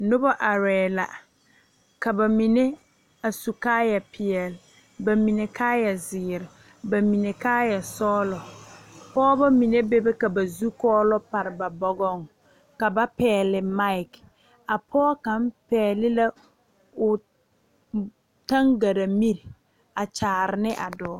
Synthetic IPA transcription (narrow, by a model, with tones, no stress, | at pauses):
nʊ˦bɔ˦ʔa˨ɾɛː˨la̰˨ | ka˨ba˨mi˨ne˦ | a˨su˨kaː˦jɛ˨pʰɪ˨ɛ˨lɪ˨ | ba˨mi˨ne˨kʰaː˦jɛ˨zɪː˨ɾɪ˨ | ba˨mi˨ne˨kaː˦jɛ˨sɔː˦lɔ˨pɔː˦ba˦mi˨ne˦be˦bɛ˦ka˨ba˨zu˦kɔː˦lɔ˦pa˨ɾɪ˨ba˨bɔ˦ɡɔ˦ŋ | ka˨ba˦pɛː˨˦˨lɪ˨ma˦ɪ˨k | a˨pʰɔː˦ka˨˦m˦pɛː˨˦˨lɪ˦la˦ | ʊ˨ | ta˦ŋɡa˨ɾa˨mi˦ɾ | a˨t͡ʃaː˨ɾɪ˨nɪ˦ʔa˨dɔː˨˦